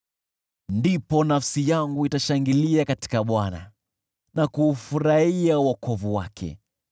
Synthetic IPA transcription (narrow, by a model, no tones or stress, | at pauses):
ndipɔnafsijaŋɡuitaʃaŋɡiliakati̥kaɓwana̰ | nakuːfuɾaiauwakɔvuwakʰɛ̰